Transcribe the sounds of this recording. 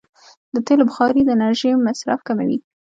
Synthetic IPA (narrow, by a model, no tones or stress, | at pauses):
d̪ət̪elobʊxɑɾid̪ənaɾʒemasɾa̰fkama̰wi